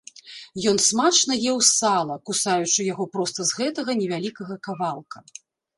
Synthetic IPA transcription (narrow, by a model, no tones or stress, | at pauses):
jɔnsmat͡ʂnɐjɛwsalˠɐkusajut͡ʂɨjaɣɔpɾɔst̪ɐzɣɛt̪ɐɣɐnʲɛvʲalʲikɐɣɐkavalˠkɐ